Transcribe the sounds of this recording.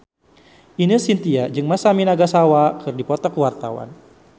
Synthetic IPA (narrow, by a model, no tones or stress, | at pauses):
inəsint̪iad͡ʒɨŋmasaminaɡasawakʰɨrdipɔt̪ɔkəwart̪a̰wa̰n